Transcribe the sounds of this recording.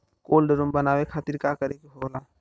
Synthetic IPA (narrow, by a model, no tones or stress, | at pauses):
koːlɖəɾumbənaːwekʰaːt̪iɾkakəɾekeɦoːlaː